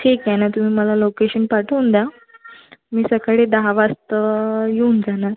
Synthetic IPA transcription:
ʈʰikjanat̪um̤iːməlalokeɕənpaʈʰəwnd̪ja | miːsəkaɭed̪aɦaʋast̪əjeund͡zanaɾ

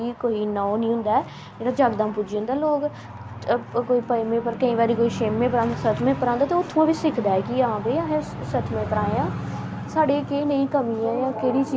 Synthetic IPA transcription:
iːkoːiːnɔonĩːɦʊ̃nd̪aːɛː | d͡ʒeːɽaːd͡ʒaːɡd̪ãːmpʊd͡ʒə̃ːnd̪aːloːɡ | koːiːpəmẽːpəɾkəĩːʋaːɾiːkoːiːʃeːmːẽːpəɾãːnd̪aːsət̪ʰmẽːpəɾãːnd̪aːt̪eʊt̪ʰːãːbiːsɪkʰd̪aːɛːkɪəɦãːbeiãːɦẽ | sət̪ʰmẽːpəɾaːejãː | saːɖeːkeːnəĩːkəmiːãːjãːkeːɽiːt͡ʃiː

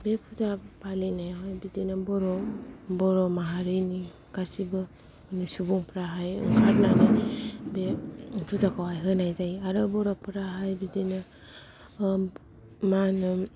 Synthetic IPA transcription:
bepʰutʰapʰalinajɦɔjbidenɯbɔɾɔbɔɾɔmaɦaɾɯni | kasibɯ | nisubuŋpʰɾaɦajɯ̰ŋkʰaɾnanabepʰutʰakʰawajɦɯnajzajaɾɯbɔɾɔpʰɯɾaɦajbidenɯ | manɯ

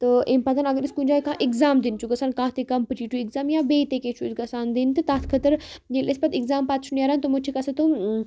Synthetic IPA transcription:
t̪əʔempɐt̪d̪anɐɡəɾiskũd͡ʒaːikãːʔɪkzaːmd̪int͡ʃʰuɡɐsaːnkãːt̪ekɐmpɨt͡ʃiːʈuɪkzaːmjabeːt̪ekẽːt͡ʃʰuisɡɐsaːnd̪int̪ɨt̪aːt̪ʰkʰɐt̪əɾd͡ʒelʔespɐt̪iɡzaːmpaːt̪t͡ʃʰunjaːɾant̪omũt͡ʃʰikɐsɐt̪u

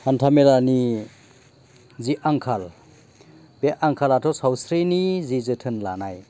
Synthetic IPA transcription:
hantʰamelani | ziʔaŋkʰal | beʔaŋkʰalatʰɔsawsɾinizizɯtʰɯnla̰naj

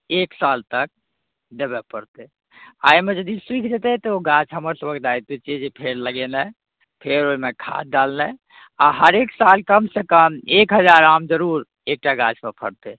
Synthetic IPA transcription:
eksalt̪ək̚ | d̪ebɛpəɾt̪ɛ | ajmed͡ʒəd̪iswikʰd͡ʒet̪ɛt̪ɔoɡat͡ʃʰɦəməɾsəbʱək̚d̪ajt̪et͡ʃʰijɛd͡ʒepʰeɾləɡelɛ | pʰeɾoimekʰa̰t̪̚ɖalnɛ | aɦəɾeksalkəmsekəmekɦəd͡ʒaɾamd͡ʒəɾuɾ | ek̚ʈaɡat͡ʃʰpəpʰə̰ɽt̪ɛ

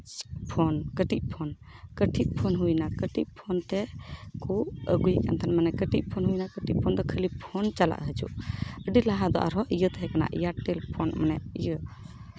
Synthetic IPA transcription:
pʰɔnkəʈiʔ̚pʰɔn | kəʈʰiʔ̚pʰɔnɦujnakəʈiʔ̚pʰɔnt̪ɛkuəɡujka̰nt̪ʰanmanɛkəʈiʔ̚pʰɔnɦujnakəʈiʔ̚pʰɔnd̪ɔkʰəlipʰɔnt͡ʃala̰ʔɦət͡ʃṵʔəɖilaɦad̪ɔ̰ʔa̰ɾɦɔʔijət̪ɛɦɛkana̰ʔijaʈɛlpʰɔnmanɛijə

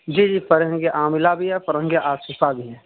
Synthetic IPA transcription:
d͡ʒiːd͡ʒiːpɐɾɦə̃ŋɡeʔaːmɪlabʱiɦɛpɐɾə̃ŋɡeʔaːsɪsabʱiɦɛ

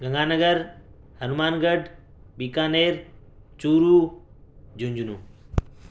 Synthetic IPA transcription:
ɡɐ̃ŋɡaːnəɡəɾ | hɐnumaːnɡəɖʱ | ɓiːkaːneːɾt͡ʃuːɾuː | d͡ʑũɲd͡ʑunũː

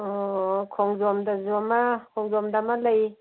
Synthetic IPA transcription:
ɔkʰɔŋzɔmdazɔmakʰɔŋzɔmdamalaj

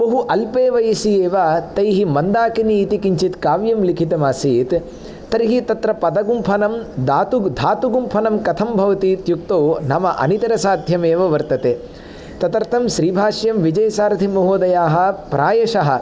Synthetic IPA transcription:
bɐɦuʔɐlpeːʋɐjɐsieːʋɐt̪ɐjɦimɐnd̪aːkiniːt̪ikiɲt͡ʃit̪kaːʋjɐmlikʰit̪ɐmaːsiːt̪ː | ɐɾiɦit̪ɐt̪ɾɐpɐd̪ɐɡumpʰɐnɐmd̪aːt̪ud̪ʱaːt̪uɡumpʰɐnɐmkɐt̪ʰɐmbʱɐʋɐt̪iːt̪juk̚t̪oːnɐmɐʔɐ̰nit̪ɐɾɐsaːd̪ʱjɐmeːʋɐʋɐɾt̪ɐt̪eː | t̪ɐt̪ɐɾt̪ʰɐmʃɾiːbʱaːʂjɐmʋid͡ʒɐjɐsaːɾt̪ʰimɐɦoːd̪ɐjaːɦɐ̆pɾaːjɐʃɐɦɐ̰̆

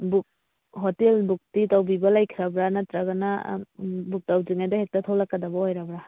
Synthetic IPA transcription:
buk̚ | ɦotelbuk̚titawbibɐlajkʰiɾɐbɾanɐtɾɐɡɐna̰ | buk̚tawziŋajdɐhek̚tɐtʰolakːɐdɐbɐojɾabɾa

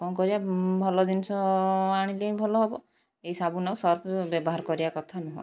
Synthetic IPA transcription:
kɔnkɔɾibabʱɔlɔd̪inisɔaɽ̃ileĩbʱɔlɔɦɔbɔ | eisabunausɔɾpʰbɔbɔɦaɾkɔɾibakɔt̪ʰanɔɦɔ̰

